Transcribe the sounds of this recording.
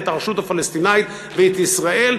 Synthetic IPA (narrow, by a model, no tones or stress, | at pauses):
taʁʃutəfalɛst̪inaɪt̪ | veːt̪isʁael